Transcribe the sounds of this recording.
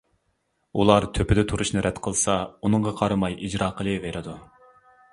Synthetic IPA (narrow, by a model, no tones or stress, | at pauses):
ulˠɑɾt̪ʰøpɪd̪ɛt̪ʰuɾuʃnɨɾʔɛt̪qʰəlˠsɑunɨŋʁɑqʰɑɾɨmɑjid͡ʒɾɑːqʰəlˠɨveɾɨd̪u